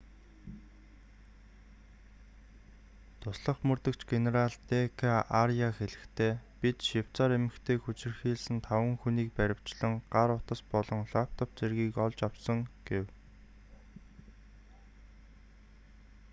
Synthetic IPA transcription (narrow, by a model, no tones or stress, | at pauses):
t̪ʰʊsɮə̆χmɵrt̪ɘ̆kt͡ɕɡeneɾaɮt̪ekʰaarjaxeɮɘ̆xt̪ʰeːpʲit̪ʃiw̥t͡saːɾemɘ̆xt̪ʰeːxut͡ɕɪ̆rxiːɮsɘ̆nt̪ʰawə̆ŋxuniːk̚pæɾʲɪ̆w̥t͡ɕɮɘ̆ŋɢaɾʊt̪ə̆spɔɮɞ̆ŋɮapt̪ə̆pt͡serɣiːkɔɮt͡ɕawsɞ̆ŋɡ̥ew